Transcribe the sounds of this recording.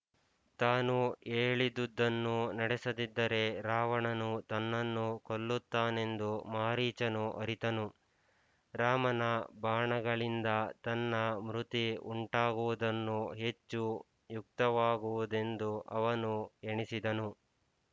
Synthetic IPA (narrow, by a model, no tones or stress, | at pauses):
t̪aːnueːɭid̪ud̪ːɐnːunɐɽɛsɐd̪id̪ːɐɾe̞ɾaːʋɐɳɐnut̪ɐnːɐnːukolːut̪ːaːne̞nd̪umaːɾiːt͡ʃɐnuʔɐɾit̪ɐnu | ɾaːmɐnɐbaːɳɐɡɐɭind̪ɐt̪ɐnːɐmɾut̪iṵɳʈaːɡuʋud̪ɐnːuɦe̞t͡ʃːu | juk̚t̪ɐʋaːɡuʋud̪e̞nd̪uʔɐʋɐnueɳisid̪ɐnu